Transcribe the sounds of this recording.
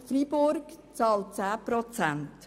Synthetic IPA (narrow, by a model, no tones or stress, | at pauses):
fribʊɾkt͡sɑːlt̚t͡sæːpɾɔt͡sænt